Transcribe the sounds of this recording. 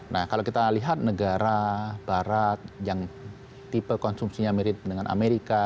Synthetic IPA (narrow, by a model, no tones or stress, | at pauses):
nahkalakit̪aliɦat̪̚nəɡaɾabaɾat̪̚jaŋ | t̪ipəkɔnsumsiɲamiɾɪt̪̚dəŋanʔa̰meɾika